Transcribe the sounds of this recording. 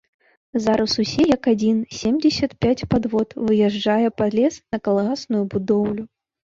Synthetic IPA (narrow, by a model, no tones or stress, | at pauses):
zaɾʔɐsusʲɛjɐkad͡zʲinsʲemd͡zʲɪsʲɐt̪̚pʲat͡sʲpad̪vɔt̪vɨjɛʐajɛpad̪lʲɛsnɐkɐlˠɐɣasnujubud̪ɔwlʲu